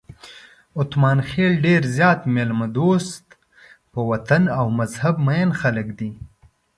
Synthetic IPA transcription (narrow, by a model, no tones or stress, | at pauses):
ʊt̪mɑːnxelɖeɾzjɑːt̪melmad̪ost̪ | pəwat̪anawmazhabmajanxaləkd̪i